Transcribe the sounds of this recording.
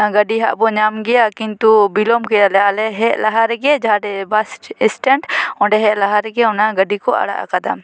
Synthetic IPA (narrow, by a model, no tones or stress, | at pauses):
aɡɐɖiɦa̰ʔbɔɲamɡɛjakint̪ubilɔmkɛjalɛalɛɦɛʔlaɦaɾɡed͡ʒɦaɖɛbasʈɪsʈɛɳʈɔ̃ɖɛɦɛʔlaɦaɾɡɛʊnaɡəɖikɔa̰ɽa̰ʔkad̪a̰m